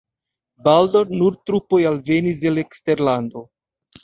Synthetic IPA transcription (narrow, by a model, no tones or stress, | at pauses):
baldoɾnuɾtɾupo̞jalve̞nis̬e̞le̞kste̞ɾlando̞